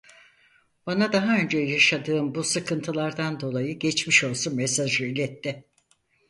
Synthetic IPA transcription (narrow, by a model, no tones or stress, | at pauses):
b̥anad̪aɦaø̞nd͡ʒɛjaʃad̪ɯːmbusɯkʰɯnt̪ʰɯlˠaɾd̪and̪o̞lˠajɯɟɛt͡ʃmiʃo̞lˠsunmɛsaʒɯylʲɛt̪ʰːɛ